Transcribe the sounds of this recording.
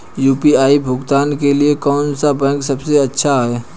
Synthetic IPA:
juːpiaːibʱʊɡt̪aːnkeliekɔːnsabɛ̃ːŋksɐbseɐtːʃʰaɦɛː

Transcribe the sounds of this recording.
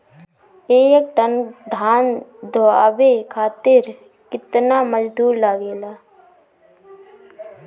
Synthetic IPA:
eːjek̚ʈənd̪ʱaːnd̪ʱoaːbekʰaːt̪ɪɾ | kɪt̪naməd͡ʒd̪ʱuːɾlaːɡeːlaː

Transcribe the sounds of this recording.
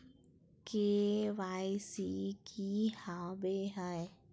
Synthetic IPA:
kewajsikʰihawbeɦaj

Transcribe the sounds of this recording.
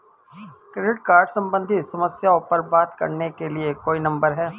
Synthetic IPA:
kɾeɖɪʈkaːɾɖsɐ̃mbə̃nd̪ʱit̪sɐməsjaopɐɾbaːt̪kɐ̰ɾnekeliekoːinɐ̃mbəɾɦɛː

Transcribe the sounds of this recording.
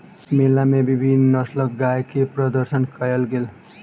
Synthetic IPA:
melːamebibʱinːʌslʌk̚ɡajkeprʌd̪ʌɾsʌnkʌjʌlɡel

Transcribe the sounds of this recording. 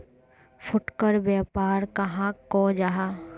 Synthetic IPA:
fʰʊʈkəɾbjɛːpaːɾkɐɦãkɔːd͡ʒaɦaː

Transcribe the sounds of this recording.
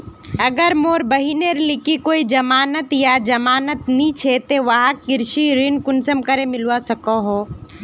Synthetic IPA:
ɐɡəɾmoːɾbɐɦineɾlɪkikoːid͡ʒɐmaːnət̪jad͡ʒɐmaːnət̪nĩt͡ʃʰet̪eʋaɦakkɪɾʃiɾɪnkʊnsəmkəɾemɪlwasɐkoɦoː

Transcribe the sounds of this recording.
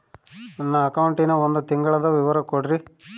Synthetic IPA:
ɐnːɐːkɐwuɳʈinɐond̪ut̪iŋɡɐɭɐd̪ɐʋiʋɐɾɐkoɽɾi

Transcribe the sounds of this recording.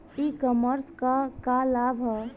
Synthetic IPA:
ikɔməɾskakalabʱ

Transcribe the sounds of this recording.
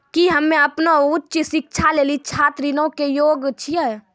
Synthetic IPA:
kiɦəmːẽəpnoʊtːʃsɪk̚t͡ʃʰaleːlit͡ʃʰaːt̪ɾinõkejoːɡt͡ʃʰiɛ

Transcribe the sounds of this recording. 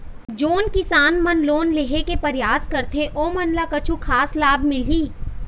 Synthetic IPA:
d͡ʒoːnkɪsaːnmɐnloːnleɦekepɐɾjaːskɐɾt̪ʰẽʔoːmɐnlakɐt͡ʃʰukʰaːslaːbʱmɪlɦiː

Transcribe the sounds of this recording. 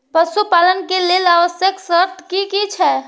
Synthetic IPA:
pəsupalənkelelaʋəsjəksəɾt̪ʰkikit͡ʃʰɛ

